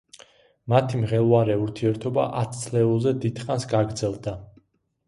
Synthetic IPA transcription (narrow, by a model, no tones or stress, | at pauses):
mat̪ʰimʁɛlˠvaɾɛuɾt̪ʰiɛɾt̪ʰɔba̰ʔat̪st̪sʰlɛulˠzɛd̪id̪̥χansɡaɡɾd̪zɛlˠd̪a